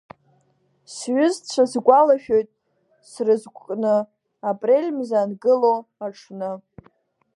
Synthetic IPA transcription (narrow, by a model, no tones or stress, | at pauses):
sɥʊzt͡ɕʷʰazɡʷalaʃᶣojtʼ | srɨzɡʷʼkʼnɨ | apʼre̞lʲmzanɡɨlowaʈ͡ʂʰnɨ